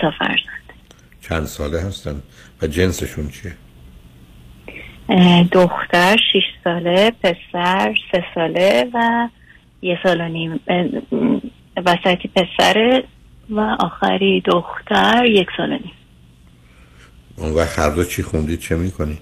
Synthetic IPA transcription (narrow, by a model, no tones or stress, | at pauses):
t̪ʰɒfæ̰ɾz̥ɒ̥nd̪̥ | t͡ʃʰænd̪sɒːleɦæst̪ænd̪ | væd͡ʒe̞nseʃunt͡ʃʰie | d̪oxt̪æɾʃiʃsɒːlepʰe̞sæɾse̞sɒːlevæ | jesɒːlonim | væsæt̪ʰipʰe̞sæ̰ɾe | væʔɒːxæ̰ɾid̪oxt̪ʰæɾjecsɒːlo̰nim | onvæʁhæɾd̪ot͡ʃʰixund̪iːd̪̥̚t͡ʃʰemiːkʰonid̪̥